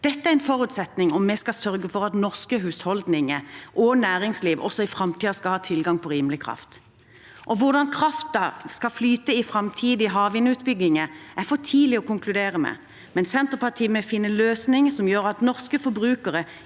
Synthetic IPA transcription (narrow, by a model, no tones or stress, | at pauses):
d̪̥ɛt̪ːəæʁɛnfɔɾʉːt̪sɛt̪nɪŋɔmːɛskɑsœɾɡəfɔɾɑt̪nɔʁskəɦʉːshɔld̪nɪŋəʔɔnæːɾɪŋsliːʋʔɔ̰sːɔɪfɾɑmt̪ʰiːɑskɑlhɑːt̪ʰɪlɡɑŋpʰɔɾiːmlɪkʰʁɑ̰ft̪ | ʔɔʋʊʁd̪ɑnkʰɾɑft̪ɑskɑflyːt̪əɪfɾɑmt̪ʰiːd̪ɪɦɑːʋɪnʉːt̪bʏɡːɪŋəæfɔʈʰiːlɪɔkʊŋklʉd̪eːʁəmɛ̰ | mɛnsɛnt̪əpʰɑʈʰiːmɛfɪnːəløːsnɪŋsɔmjøːɾɑt̪nɔʁskəfɔɾbɾʉːkəʁə